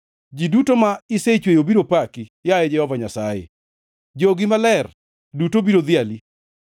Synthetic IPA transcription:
d͡ʒidutomaɪset͡ʃwejobiɾopakijaɛd͡ʒɛhɔvaɲasajḛ | d͡ʒoɡɪmalɛr | dutobiɾod̪ɪali

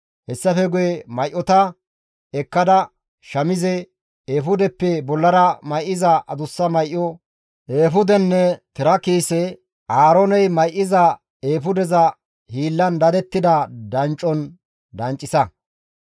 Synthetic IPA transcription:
hɛsːɐfɛɡʊjɛmɐjʔːɔt̪ɐ | ɛkːɐd̪ɐ | ʃɐmɪzɛ | eːfʊd̪ɛpːɛbɔlːɐɾɐmɐjʔːɪzɐʔɐd̪ʊsːɐmɐjʔːɔ | ʔeːfʊd̪ɛnːɛt̪ɪɾɐkiːsɛ | ʔaːɾɔnɛjmɐjʔːɪzɐ | eːfʊd̪ɛzɐ | hiːlːɐnd̪ɐd̪ɛt̪ːɪd̪ɐd̪ɐnt͡ʃʼːɔn | d̪ɐnt͡ʃʼːɪsɐ

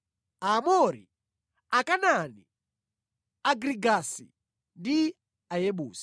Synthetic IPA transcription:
amɔɾḭ | akanani | aɡɾiɡasḭ | ndi | ajeɓuːsḁ

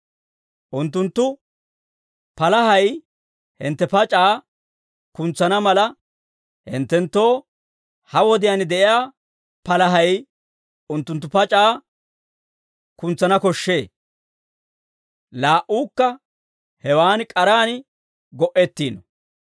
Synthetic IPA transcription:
ʔʊnt̪ːʊnt̪ːʊ | pɐlɐhɐj | hɪ̰nt̪ːɛpɐt͡ʃʼaː | kʊnt͡sːɐnɐmɐlɐ | hɪ̰nt̪ːɛnt̪ːo̞ː | hɐwɔd̪ɪjanɪd̪ɛʔɪjaː | pɐlɐɦɐj | ʊnt̪ːʊnt̪ːʊpɐt͡ʃʼaː | kʊnt͡sːɐnɐkɔʃːe̞ː | laːʔuːkːɐ | hɛwaːnkʼɐɾaːn | ɡɔʔɛt̪ːiːnɔ

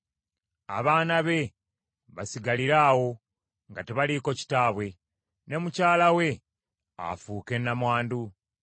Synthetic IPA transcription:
a̰βaːnaβe̞ | βasiɡaliɾaːwo̞ | ŋɡateβaliko̞ci̥taːβwe̞ | ne̞mucaːlawe̞ | a̰fuːke̞nːamwaːndu

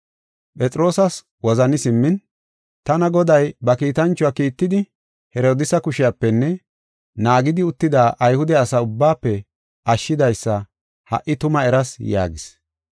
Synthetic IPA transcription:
pʼɛt͡sʼɾo̞ːsɐs | wɔzɐnɪsɪmːɪn | t̪ɐnɐɡɔd̪ɐjbɐkiːt̪ɐnt͡ʃːʊaːkiːt̪ːɪd̪ɪ | hɛɾo̞ːd̪ɪsɐkʊʃɪjapːɛnːɛ | naːɡɪd̪ɪʊt̪ːɪd̪aːʔɐjhʊd̪ɛɐsɐʊbːaːpːɛ | ʔɐʃːɪd̪ɐjsːɐ | hɐ̰ʔːɪt̪ʊmɐɛɾɐsja̰ːɡɪs

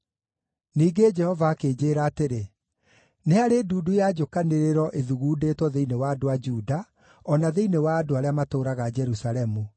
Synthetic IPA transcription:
niːɡed͡ʒɛhɔvaːkeːd͡ʑeɾaːteɾe | neaɾeduːdujaːd͡ʒokaneɾeɾɔʔeðuɣuːdetwɔðeinewaːdoad͡ʒuːda | ɔnaðeinewaːdoaɾeamatoːɾaɣad͡ʒɛɾusaɾɛmu

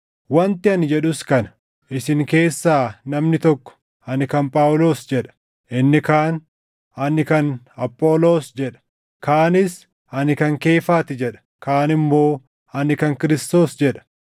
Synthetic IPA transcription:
wɐnt̪ɪɐnɪd͡ʒɛᶑʊskɐnɐ | ʔɪsɪŋke̞ːsːaːnɐmnɪt̪ɔkːɔ̥ | ɐnɪkɐnpʼaːwlo̞ːsd͡ʒɛᶑɐ̥ | ʔɪnːɪkaːn | ɐnɪkɐn | ɐpʼːo̞ːlo̞ːsd͡ʒɛᶑɐ̥ | kaːnɪs | ɐnɪkɐŋke̞ːfaːt̪ɪd͡ʒɛᶑɐ̥ | kaːnɪmːo̞ː | ɐnɪkɐŋkɪɾɪst̪o̞ːsd͡ʒɛᶑɐ̥

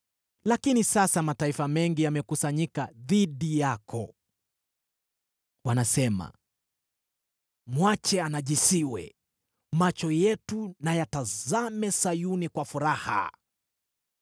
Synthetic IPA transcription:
lakinisasamataifamɛŋɡijamɛkusaɲikaðiɗijakʰɔ | wanasɛma̰ | mwat͡ʃɛanaʄisiwɛ̰ | mat͡ʃɔjɛtunajatazamɛsajunikwafuɾaha̰

